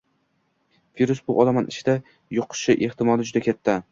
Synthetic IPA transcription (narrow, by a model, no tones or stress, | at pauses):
viɾusbʊʔɒlˠamanʔɪt͡ʃʰɪd̪a | joqʰʊ̥ʃɪʔeht̪ɪmɒlɪd͡ʒʊd̪akʲʰat̪ʰːa